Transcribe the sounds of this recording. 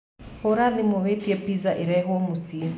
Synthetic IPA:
hoɾanimoβetiepizaʔiɾaɦomusi

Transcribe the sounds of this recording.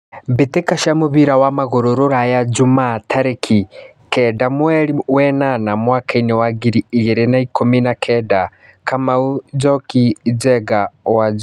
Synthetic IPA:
βetekaʃamoβiɾawamaɣoɾoɾoɾajad͡ʒumatʰaɾekʰi | kɛdamwɛɾiwɛnanamwaːkainewaɡiɾiiɣeɾenaikominakʰɛda | kamaud͡ʒɔkid͡ʒɛɡawad͡ʒ

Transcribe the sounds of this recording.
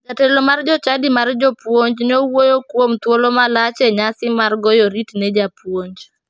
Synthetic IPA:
d͡ʒatɛlomard͡ʒɔt͡ʃadɪmard͡ʒɔpwoɲd͡ʒnowojokwomt̪wolomalat͡ʃɛɲasɪmarɡɔjɔɾitnɛd͡ʒapwoɲd͡ʒ

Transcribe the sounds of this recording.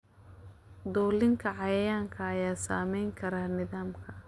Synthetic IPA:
d̪ɔːlɪŋkʰɐʕɑjɐjaːŋkʰɐːjaːsa̰ːmɛjŋkʰɐɾaːnɪðaːmkʰɐ

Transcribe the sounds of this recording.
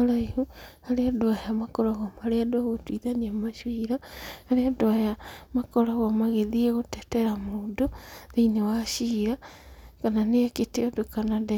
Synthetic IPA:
aɾaihuhaɾeadoaheamakɔɾaɣomaɾeadwaɣotwiðaniamaʃwiɾahaɾeadoajamakɔɾaɣomaɣeðieɣotɛtɛɾamoːdoðeinewaʃiɾakananeaketeodokanade

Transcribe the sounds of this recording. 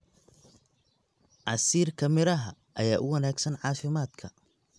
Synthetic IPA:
ʕɑsiːrkʰɐmɪɾɐɦɐ | ʔɐjaːʔʊwɐnaːɡsɐnʕɑːfɪmaːd̪kʰɐ

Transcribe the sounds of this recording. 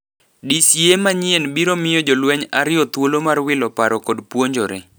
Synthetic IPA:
disjemaɲɪɛnbiɾomɪjod͡ʒolwɛɲaɾɪɔt̪wolomarwɪlɔpaɾɔkɔdpwoɲd͡ʒoɾḛ

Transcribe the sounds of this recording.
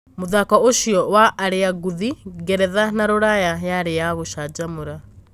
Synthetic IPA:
moðakɔoʃiɔwaʔːɾeaɡuðiɡɛɾɛðanaɾoɾajajaɾejaɣoʃad͡ʒamoɾa

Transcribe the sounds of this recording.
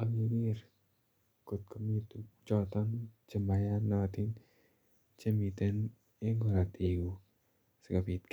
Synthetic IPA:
aminir | kut̪̚kəmit̪ut͡ʃɔt̪ɔŋt͡ʃəmbajanat̪in | t͡ʃəmit̪ən | eŋɡoɾat̪iu | səkapit̪̚k

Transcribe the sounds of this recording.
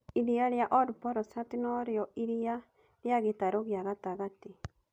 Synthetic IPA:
iɾiaɾeaʔɔdupɔɾɔsatinɔɾeɔʔiɾia | ɾjaɣetaɾoɣeaɣataɣate

